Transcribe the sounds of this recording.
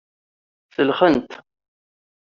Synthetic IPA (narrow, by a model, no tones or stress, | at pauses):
θəlχənt̪